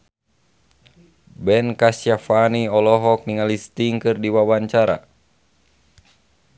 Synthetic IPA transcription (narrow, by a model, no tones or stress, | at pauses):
bɛnkasjafaniɔlɔɦɔk̚niŋalist̪iŋkɨrdiwawaɲt͡ʃaɾa̰